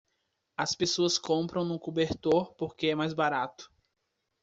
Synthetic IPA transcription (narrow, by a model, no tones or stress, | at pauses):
ɐspesoɐskõpɾɐ̃w̃nʊkubeɾt̪oɾpoɾkeɛmajzbaɾat̪ʊ̥